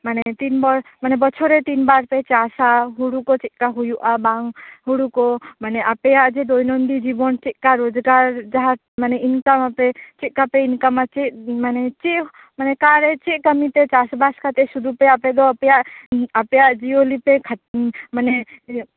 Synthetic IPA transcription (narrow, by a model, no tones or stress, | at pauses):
manet̪inbaɾmanebət͡ʃʰoɾet̪inbaɾpet͡ʃasaɦuɽukot͡ʃiʔkaɦujuʔabaŋɦuɽukomaneʔapejad͡ʒed̪ojnond̪id͡ʒibɔnt͡ʃiʔkaɾod͡ʒɡaɾd͡ʒaɦa | maneinkamapet͡ʃiʔ̚kapeinkamat͡ʃeʔmanet͡ʃeʔ | manekaɾet͡ʃeʔkəmit̪et͡ʃasbaskʰat̪esud̪ʱupeaped̪opjaəpjad͡ʒiolipek̪ʰməne